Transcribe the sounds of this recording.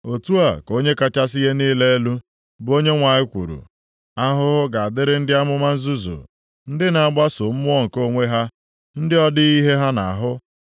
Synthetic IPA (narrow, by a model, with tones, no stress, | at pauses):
o˨tu˦a˨ko˦ɲe˦ka˦t͡ʃa˦s̬i˦ɦe˦niː˦le˦e˦lu˦ | bo˦ɲe˦ŋʷa˨ɲɪ˦kʷṵ˨ɾṵ˨ | a˦ɦʊ˦ɦʊ˦ɡa˨a˨dɪ˦ɾɪ˦n̩˦dɪ˦a˦mʊ˦ma˦n̩˦zu˦zṵ˨ | n̩˦dɪ˦na˨a˨ɡ͡ba˦sʊ˨m̩˦mʊ˦ɔ˦ŋ̩˨ko˦˨ŋʷe˦ɦa˦ | n̩˦dɪ˦ɔ˦dɪ˦i˦ɦe˦ɦa˦na˨a˨ɦʊ˦